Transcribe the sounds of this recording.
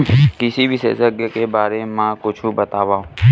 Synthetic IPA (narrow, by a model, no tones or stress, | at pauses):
kɪsibʱisḛsəɡəkebaːɾemɛ̃kʊt͡ʃʰubɐt̪aːʋaːũ